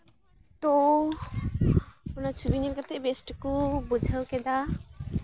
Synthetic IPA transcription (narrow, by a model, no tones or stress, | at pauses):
t̪o | kunat͡ʃʰubinilkat̪ʰɛbesʈkubud͡ʒʱawkɛd̪a